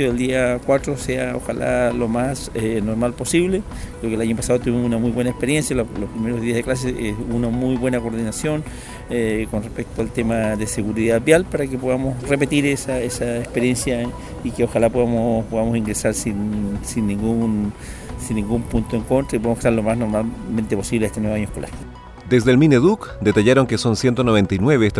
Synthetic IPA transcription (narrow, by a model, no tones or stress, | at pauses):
oðeld̪iakwat̪ɾoseao̰xa̰lʔa̰lomasenoɾmalposiβle | lokelaɲopasaðot̪uβimsunamujβbwe̞naekpeɾjensjallospɾimeɾozðiazðeklas̬eesunamujβwe̞nakoɾðinasjo̞n | ekonrespek̚t̪oalt̪emaðeseɣuɾiðaðbjalpaɾakep̬oðamosrepe̞t̪iɾesaesaekspeɾje̞nsja | ikeoxalapoðamopoðamosiŋɡɾesaɾsinsinːĩŋɡun | sinːĩŋɡumpunt̪oeŋko̞nt̪ɾaip̬oamoe̥t̪aɾlo̞masno̞ɾmalment̪e̞po̞siβleest̪enweβaɲoekola̰ɾ | d̪e̞zðelmĩneðukd̪e̞t̪aʝaɾo̞ŋkeso̞nsje̞nt̪onoβ̞e̞nt̪ajnwe̞βest̪